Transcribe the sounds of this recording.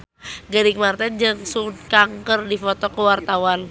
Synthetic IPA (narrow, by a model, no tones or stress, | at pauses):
ɡaɾikmart̪ɛnd͡ʒaŋsunkaŋkərdifɔt̪ɔkəwart̪awan